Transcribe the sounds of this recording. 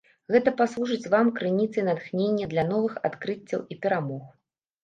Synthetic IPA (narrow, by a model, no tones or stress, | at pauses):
ɣɛt̪ɐpaslˠuʐɨt͡sʲvamkɾɨnʲit̪sɨnad̪xnʲenʲːɐd̪lʲɐn̪ɔvɨxa̰t̪kɾɨt͡sʲːɐwipʲɛɾamɔx